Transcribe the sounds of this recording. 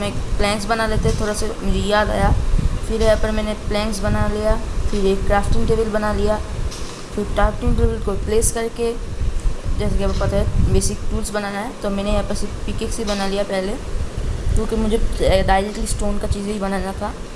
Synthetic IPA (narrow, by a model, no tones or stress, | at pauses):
mɛ̃plɛ̃ːksbɐnaleːt̪eɦɛt̪ʰoːɾasemʊd͡ʒʱejaːd̪a̰ːjafʰɪɾepəɾmɛ̃ːneplɛ̃ːŋks̬bɐnalijafʰɪɾeːkːɾaːfʈɪ̃ŋʈeːʋəlbɐnalija | fɪɾʈaːɾfʈɪ̃ŋʈeːbəlkopleːskɐɾke | d͡ʒɛːsekiɐbopɐt̪aɦɛbeːsɪkʈuːlsbɐnaːnaɦɛt̪omɛ̃ːneɛpəɾsepikeːksibɐnalijapɛɦle | kjõːkemʊd͡ʒʱeɖaːɪɾeʈəlisʈoːnkat͡ʃiːzibɐnaːnat̪ʰaː